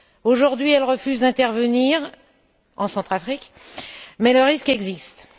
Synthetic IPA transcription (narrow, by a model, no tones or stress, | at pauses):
oʒuʁd̪ɥiɛlʁəfyzd̪ɛ̃t̪ɛʁvəniʁ | ɑ̃sɑ̃t̪χafχik | mɛləʁiskɛɡzist̪